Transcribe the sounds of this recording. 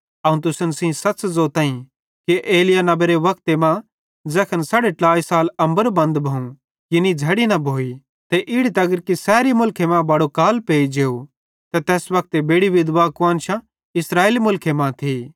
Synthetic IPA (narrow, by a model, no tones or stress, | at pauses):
ɐũt̪ʊsənsĩsɐtːszoːt̪ãːĩ | kiʔeːlɪjanɐbeɾeʋɐk̚ʰt̪emã | d͡zɛkʰənsaːɽeʈlaːisaːlɐ̃mbəɾbɐ̃nd̪bʱɐũ | kɪnid͡ʒʱɐɽinɐbʱoːi | t̪eʔɪɽit̪ɐɡəɾkisɛːɾimʊlkʰemãbɐɽokaːlpeːid͡ʒeːo | t̪et̪ɛːsʋɐk̚t̪ebeːɽiʋɪd̪ʋakʋãːnʃã | ɪsɾaːeːlimʊlkʰemãt̪ʰiː